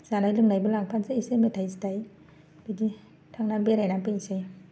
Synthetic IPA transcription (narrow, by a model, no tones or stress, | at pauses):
z̥anajlɯŋnajbɯlaŋpʰanseisemetʰajsitaj | bedi | tʰaŋnabeɾajnapɯŋse